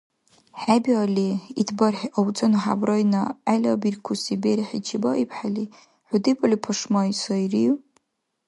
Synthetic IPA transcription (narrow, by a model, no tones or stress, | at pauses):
ħabʲialiidʰbarħawt͡sʼɨnħa̰brojnaalʲabirkʷʰusibeɾħit͡ʃʰibaʔipʰħali | ħʷudipʼalipʰaʂmaisoiri